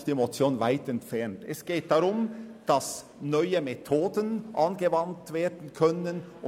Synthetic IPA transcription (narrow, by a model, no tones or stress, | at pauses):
diemot͡sjoːnvaɪtɛntfɛɐntɛsɡ̥eːt̚d̥aɾʊmd̥ɑs | nɔʏəmetʰoːdənʔɑnɡəvɑntv̥eːɐdn̩kʰœnənʊ